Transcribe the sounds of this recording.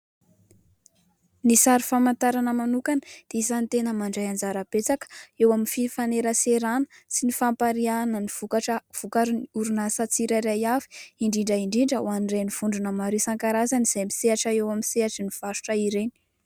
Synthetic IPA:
nisaɾifamant̪aɾanəmanukanəd̪̥eisant̪enəmaɳɖ͡ʐajand͡zaɾab̥et͡sakə̥ewaminfifaneɾəseɾanəsinifampaɾianənivukaʈ͡ʂəv̥ukaɾnuɾunasat͡siɾaɾajavi̥iɳɖ͡ʐiɳɖ͡ʐəiɳɖ͡ʐiɳɖ͡ʐəwanreniv̥uɳɖ͡ʐunəmaɾisaŋkaɾazaniz̥ajmiseaʈ͡ʂəewamiseaʈ͡ʂiniv̥aʃu̥ʈ͡ʂəiɾeni̥

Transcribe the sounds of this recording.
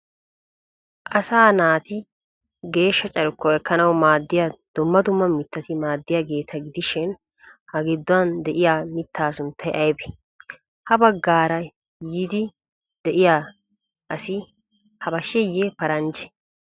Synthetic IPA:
ʔɐsaːnaːt̪ɪ | ɡe̞ːʃːɐt͡ʃʼɐɾkːɔɛkːɐnɐwmaːd̪ːɪjad̪̥ʊmːɐd̪ʊmːɐmɪt̪ːɐt̪ɪmaːd̪ːɪjaɡe̞ːt̪ʰɐɡɪd̪ɪʃɪn | hɐɡɪd̪ːʊwɐnd̪ɛʔɪjaːmɪt̪ːaːsʊnt̪ʰːɐjʔɐjbɛ̥ | hɐbɐɡːaːɾɐ | jiːd̪ɪ | d̪̥ɛʔɪjaː | ʔɐsɪ | hɐbɐʃɛjːepɐɾɐnd͡ʒɛ̥

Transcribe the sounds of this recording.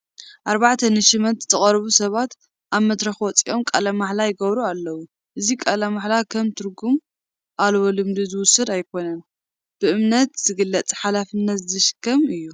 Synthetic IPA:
ʔaɾβaʕt̪ʰɐnɨʃɨmɐt̪t̪ʰɨχʼɐɾβusɐβat̪ | ʔaβmɐd̪ɾɐxwɔt͡sʼiʔo̞mkʼɐlɐmaħlajɪɡɐβɾualːɐwu | ʔɨzikʼɐlɐmaħlakʰɐmt̪ʰɨɾɡum | ʔalwolɨmd̪ɨzɨwʊsːɐd̪ajkʰo̞nɐn | b̥ɨʔɨmnɐt̪z̥ɨɡɨlːɐt͡sʼħalafɨnːɐt̪zɨzɐʃɨ̥kʰːɐmɨjːu

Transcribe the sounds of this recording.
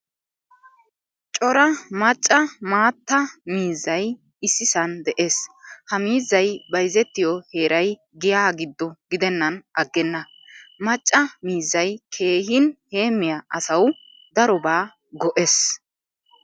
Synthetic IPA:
t͡ʃʼɔɾɐmɐt͡ʃʼːɐmaːt̪ːɐmiːzːɐj | ɪsːɪsɐnd̪ɛʔe̞ːshɐmiːzːɐjbɐjzɛt̪ːɪjɔhe̞ːɾʔɐj | ɡɪjaːɡɪd̪ːɔɡɪd̪ɛnːɐnʔɐɡːɛnːɐ | mɐt͡ʃʼːɐmiːzːɐjkʰe̞ːhɪnhe̞ːmːɪjɐɐsɐw | d̪ɐɾɔbaː | ɡɔʔes

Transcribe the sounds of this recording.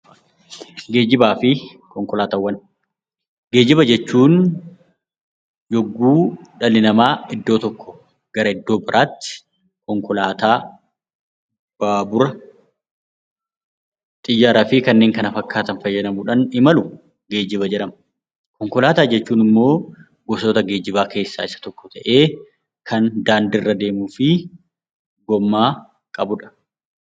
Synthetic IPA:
ɡe̞ːd͡ʒɪbaːfɪ | kɔŋkɔlaːt̪awːɐn | ɡe̞ːd͡ʒɪbɐd͡ʒɛt͡ʃːuːn | jɔɡːuːᶑɐlɪnɐmaːɪd̪ːo̞ːt̪ɔkːɔ̥ | ɡ̥ɐɾɐɪd̪ːoːbɪɾʔaːt̪ːɪ̥ | kɔŋkɔlaːt̪aː | b̥aːbʊɾɐ | t̪ʼɪjːaːɾaːfɪkɐnːe̞ːŋkɐnɐfɐkːaːt̪ɐnfɐjːɐᶑɐmʊᶑɐnɪmɐlʊ | ɡe̞ːd͡ʒɪβɐd͡ʒɛᶑɐmɐ | kɔŋkɔlaːt̪aːd͡ʒɛt͡ʃːuːnɪmːo̞ː | ɡɔsoːt̪ɐɡe̞ːd͡ʒɪbaːke̞ːsːa̰ːɪsɐ̥t̪ɔkːɔ̥t̪ɐʔe̞ː | kʰɐnd̪aːnd̪ɪrːɐd̪e̞ːmuːfɪ | ɡɔmːaː | kʼɐbʊᶑɐ̥

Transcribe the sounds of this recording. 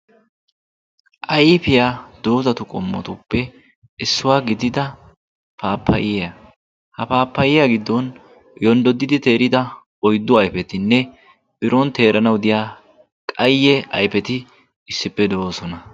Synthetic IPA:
ʔɐjpɪjaːd̪̥oːzɐt̪ʊkʼɔmːɔ̰t̪ʊpːɛ | ɪsːʊwaːɡɪd̪ɪd̪ɐ | paːpʰːɐ̰ʔɪjɐ | hɐpaːpːɐjɪjaɡɪd̪ːɔn | jɔnd̪ɔd̪ːɪd̪ɪt̪e̞ːɾɪd̪ɐ | ɔjd̪ːʊɐjpɛt̪ɪnːɛ | bɪɾɔnt̪e̞ːɾɐnɐwd̪ɪjaː | kʼɐjːɛɐ̰jpɛt̪ɪ | ɪsːɪpːɛd̪osɔnɐ

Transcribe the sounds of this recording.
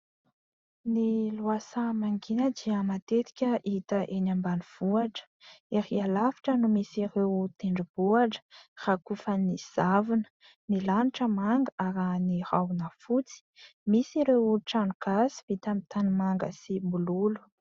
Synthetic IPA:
niluasamaŋɡinəd̪iəmat̪et̪i̥kʲəʔit̪əʔenambaniv̥uaʈ͡ʂə̥eɾialafi̥ʈ͡ʂənumisirewt̪eɳɖ͡ʐib̥uaʈ͡ʂə̥r̥akufaniz̥avinə̥ | milaniʈ͡ʂəmaŋɡaɾanirawunafut͡si̥misiɾewʈ͡ʂaɳukasi̥vit̪amit̪animaŋɡə̰sibululu̥

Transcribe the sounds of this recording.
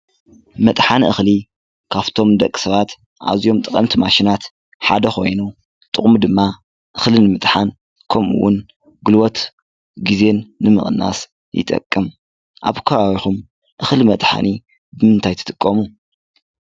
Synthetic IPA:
mɐt̪ʼħanʔɨxli | kʰaβt̪ʰo̞md̪ɐkʼːi̥sɐβat̪ | ʔa̰zijo̞mt̪ʼɨkʼɐmt̪ʰimaʃinat̪ | ħa̰d̪ɐxo̞jnu | t̪ʼɨχʼmud̪ɨmːa | ʔɨxlinɨmɨt̪ʼħan | kʰɐmṵwːʊn | ɡɨlwot̪ | ɡize̞nːɨmɨ̰χʼnːa̰s | jɪ̰t̪ʼɐ̰kʼːɨm | ʔa̰βkʰɐβaβixum | ʔɨxlimɐt̪ʼħa̰ni | bɨmɨnt̪ʰajt̪ʰɨ̥t̪ʼɨkʼːɐmu

